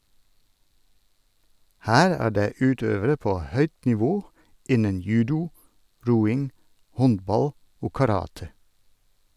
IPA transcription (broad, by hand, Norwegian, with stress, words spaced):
ˈhæːɾ ˈæː ˈɖeː ˈʉːˌtøːʋəɾə ˈpoː ˈhœʏt nɪˈʋoː ˈɪnən ˈjʉːdʊ ˈɾuːɪŋ ˈhɔnbɑl ˈoː kɑˈɾɑːtə